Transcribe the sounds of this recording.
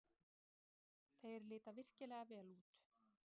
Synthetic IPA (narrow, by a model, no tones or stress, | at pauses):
θejɾlɪːt̪avɪr̥cɪlɛːɣavɛːluːt̪